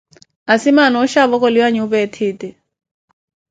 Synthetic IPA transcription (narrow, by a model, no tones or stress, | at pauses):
asimanɔuʃaβɔk̬ʼɔliwaɲiuβɛtʰiːtʼɛ